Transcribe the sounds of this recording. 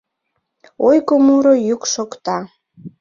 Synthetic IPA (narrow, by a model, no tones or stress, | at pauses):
ojkomuɾojukʃokt̪ɑ